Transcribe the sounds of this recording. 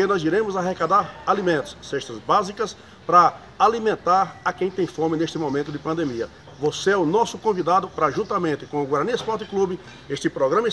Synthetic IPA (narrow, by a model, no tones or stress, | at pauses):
ɪnɔziɾẽmʊzaɦekad̪aɾalimẽnt̪ʊ̥sseʃt̪ɐzbazikɐs | pɾɐ | alimẽnt̪aɾɐkẽj̃t̪ẽj̃fõmɪneʃt̪ɪmomẽnt̪ʊd̪ɪpɐ̃nd̪emiɐ | voseɛʊnɔsʊkõvid̪ad̪ʊpɾɐʒũnt̪ɐmẽnt̪ɪkõʊɡwaɾniɐspɔɾt̪ɪklubɪ | eʃt̪ɪpɾɔɡɾɐ̃mɐ